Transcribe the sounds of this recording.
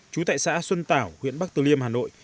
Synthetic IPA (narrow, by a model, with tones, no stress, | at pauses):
t͡ɕu˨˦t̪a̰ː˧˨jsa̰ː˧˥swə˧nt̪aː˧˩whwḭ˧˨ənɓa˦˥k̚t̪ɨ˨˩li˧əmhaː˨˩no̰˧˨jʔ